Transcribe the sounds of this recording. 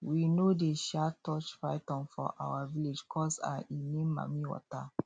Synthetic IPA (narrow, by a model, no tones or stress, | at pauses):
winodeʃatɔt͡ʃfɹaɪtɔ̃nfɔ̰ʔa̰waviled͡ʒkʰɔsa̰inẽmːa̰miwɔ̰ta